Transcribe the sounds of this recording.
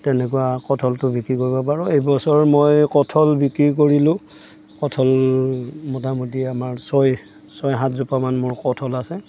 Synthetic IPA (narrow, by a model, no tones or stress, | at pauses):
tɛnɛkuwakɔtʰɔltʊbikɹikoɹibɔp̬aɹɔejbɔsɔɹmojkɔtʰɔlbikɹik̬oɹilʊ̃ | kɔtʰɔl | mɔtamudiamaɹsɔj | sɔjɦãtzupamanmʊɹkɔtʰɔlasɛ